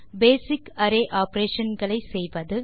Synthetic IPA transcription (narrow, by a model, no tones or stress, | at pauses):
beːsɪkɐɾeːʔaːpɾeːʂɐnɡɐɭɐɪsɛjʋɐðɯ